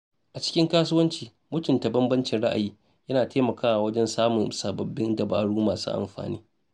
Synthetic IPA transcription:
ʔa˨t͡ʃɪ̥˦kʲɪ˦ŋkaː˦sʊ˦wɐ˦nt͡ʃiː˨ | mʊ˦tʊ˨nta˨bɐ˦mbɐ˦nt͡ʃɪ˨nɽa˦ʔa̰˨jiː˦ | jɐ˦naː˨teː˦mɐ˨kaː˦wa˨wɐ˦d͡ʒɛ˦nsaː˦mʊ˨nsaː˨bɐ˨bːɪ˦ndɐ˨baː˨ɽuː˦maː˨sṵ˦ʔa̰˨mɸa̰ː˨niː˦

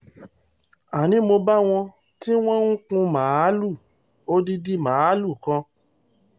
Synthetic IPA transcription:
a˨nĩ˨˦mo˧ba˦w̃ɔ̃˧ | ti˦w̃ɔ̃˦ŋ̩˦kũ˧mãː˨˦lu˦˨ | o˦di˦di˦mãː˨˦lu˦˨kã˧

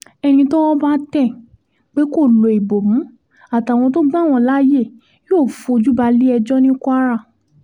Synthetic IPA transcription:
ɛ˧ñĩ˧tɔ˦wɔ˦ba˦tɛ˦˨ | k͡pe˦ko˦˨lo˨i˨bo˨mũ˨˦ | a˨ta˨w̃ɔ̃˧to˦ɡ͡bã˦˨w̃ɔ̃˧˨la˦je˦˨ | jo˦˨fũ˧o˧d͡ʒu˦ba˧li˦ɛ˧d͡ʒɔ˦nĩ˦kʷa˦ɾa˦˨

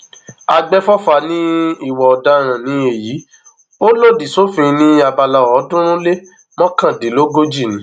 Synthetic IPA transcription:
a˧ɡ͡bɛ˦fɔ˦fa˧nĩ˦i˦˨wɔ˨ɔ˨da˧ɾ̃ã˨nĩ˨˦e˨jiː˨˦ | o˦lo˦˨di˨so˦fĩ˧nĩ˦a˧ba˧la˧˨ɔ˨˦dũ˦ɾ̃ũ˦le˦ | mɔ̃˦kã˦˨di˨˦lo˦ɡo˦d͡ʒi˦˨nĩ˨˦

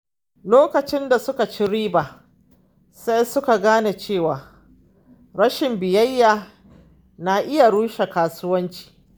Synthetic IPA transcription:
loː˦kɐ˨t͡ʃɪ˦nda˨sʊ˦ka˨t͡ʃi˦ɽiː˦baː˨ | sa˦jsʊ˦ka˨ɡaː˦ne˨t͡ʃeː˦˨waː˨ | ɾɐ˦ʃɪ˨mbɪ˨jɐ˦jːaː˨ | na˨ʔɪ˦ja˨ɽuː˦ʃe˨kaː˦sʊ˦wɐ˦nt͡ʃi̥ː˨

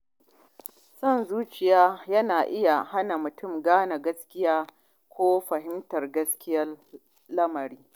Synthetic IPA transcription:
sɔ˦nzuː˦t͡ʃɪ˨jaː˦jɐ˦naː˨ʔɪ˦ja˨ha˦na˨mʊ˨tʊ˦mɡaː˦na˨ɡɐ˦skʲɪ˦jaː˦ | kʷoː˦ɸɐ˨ɦɪ˦mtɐ˨rɡɐ˦skʲɪ˦jɐ˦r | lɐ˦mɐ˨ɾiː˦

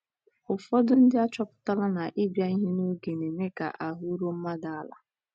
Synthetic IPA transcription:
ʊ˨fɔ˦dʊ˦n̩˦dɪ˦a˦t͡ʃɔ˦pʊ̥˦ta˦la˦na˨ʔɪ˦bja˦i˦ɦe˦no˦ɡe˨ne˨me˦ka̰˨ʔa˨ɦʊ˦ɾo˦m̩˦ma˦da˨˦la̰˦

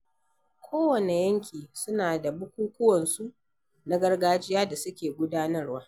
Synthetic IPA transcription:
kʷʰoː˦wɐ˨ne˨jɐ˦ŋkʲiː˨sʊ˦naː˨da˨bʊ˦kʷuː˦kʷʊ˦wɐ˨nsu˦ʔ | na˦ɡɐ˦rɡaː˦d͡ʒɪ˦jaː˦da˨sʊ˦kʲeː˨ɡʷʊ˦daː˦nɐ˦rwaː˦

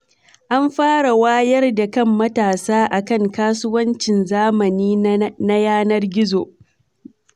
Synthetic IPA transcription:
ʔa˦mɸaː˦ɽa˨waː˦jɐ˦rda˨kɐ˦mːɐ˦taː˨saː˦ʔa˨kɐ˦˨ŋkaː˦sʊ˦wɐ˦nt͡ʃɪ˨nzaː˦mɐ˨niː˦na˦jaː˦nɐ˦rɡʲɪ˦zo˨

